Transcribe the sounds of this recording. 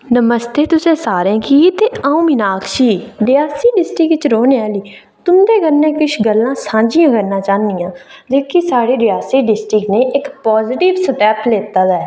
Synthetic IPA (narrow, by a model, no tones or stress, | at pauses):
nəməst̪eːt̪ʊsẽːsaːɾẽːkiːt̪eːaːũːminaːkʰʃiːɾɪjaːsiːɖɪsʈɪkt͡ʃɾoːneaːliː | t̪ʊmd̪eːɡəlnẽːkɪʃɡəlːãːsãːɲd͡ʒɪjãːkəɾnãːt͡ʃãːnd̪ɪjãːd͡ʒeːkisaːɽiːɾɪjaːsiːɖɪsʈɪkneːʔɪkpaːzɪʈɪʋsəʈɛːpleːt̪aːd̪aɛː